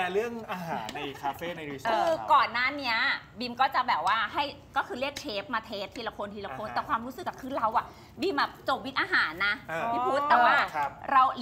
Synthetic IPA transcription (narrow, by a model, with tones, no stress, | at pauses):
ɾɯ˥˩əŋʔaː˧haː˩˦nːa˧jkʰaː˧feː˥˩na˧ɾi˦kʰɯː˧kɔː˨˩nːaː˥˩ni˦˥ɐbi˧mkɔː˥˩t͡ɕa˨˩bɛː˨˩p̚waː˥˩ɦa˥˩jkɔː˥˩kʰɯː˧ɾi˥˩ək̚t͡ɕʰeː˦˥p̚maː˧t̪ʰeː˦˥t̪ʰːiː˧la˧kʰo˧nt̪ʰiː˧la˧kʰoː˧nt̪ɛː˨˩kʰwaː˧mɾuː˦˥sɯ˨kːa˨˩kʰɯː˧˩nɾa˧wʔa˨˩ | bi˧mʔa˨˩t͡ɕo˨˩wi˦˥t̪̚ʔaː˧ɦaː˩˦nːa˦˥˧i˧˦˥pʰu˦˥t̪̚ːɛː˨˧˩waː˥˩˧ɾa˧w